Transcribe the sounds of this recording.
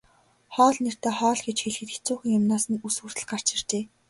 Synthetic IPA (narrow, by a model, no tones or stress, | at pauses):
χɔːɮner̥t̪eːχɔːɮxet͡ɕxeɮxĕt̪xɘ̥̆t͡suːxĭŋjʊmnaːsɘ̆nusŭr̥ɘ̆ɮɢar̥t͡ɕɪ̆r̥t͡ɕeː